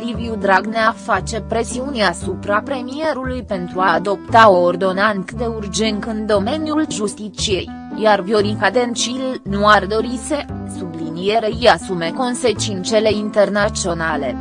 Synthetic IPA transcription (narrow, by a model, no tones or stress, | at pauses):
ɾiviud̪ɾaɡneafat͡ʃe̞pɾe̞siunʲasupɾapɾe̞mije̞ɾulujpe̞nt̪ɾuad̪o̞pt̪aoːrd̪o̞nant̪d̪e̞urd͡ʒe̞nt̪ɨnd̪o̞me̞nijulʒust̪it͡ʃie̞j | jarvjo̞ɾikad̪e̞nt͡ʃilnuard̪o̞ɾise̞sublinije̞ɾe̞ijasume̞ko̞nse̞t͡ʃint͡ʃe̞le̞int̪e̞rnat͡ʃio̞nale̞